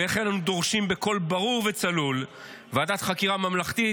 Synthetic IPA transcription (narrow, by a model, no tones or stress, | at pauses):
eχenanud̪o̞ʁʃimbe̞ko̞lbaʁuʁvet͡salul | veadat̪χakiʁamamlaχt̪i